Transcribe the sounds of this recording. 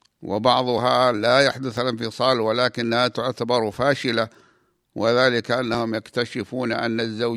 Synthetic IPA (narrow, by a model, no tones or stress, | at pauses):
wɪ̰bɑʕðˤʊɦalajaħd̪ʊθalɪnfɨsˤɑːlwalaːkɪnːhat̪ʊʕt̪abɑɾˤfaːʃɪla | wɪðaːlɪkaʔanːahʊmjakt̪aʃɪfuːnʔa̰nːazːaw